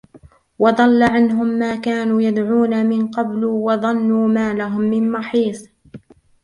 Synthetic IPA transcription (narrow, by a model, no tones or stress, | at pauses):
wɑd̪ˤɑlːaʕanɦʊmːaːkaːnuːjad̪ʕuːnamɪnqɑbluːwɑðˤɑnːuːmaːlaɦʊmːɪnmɑħiːsˤ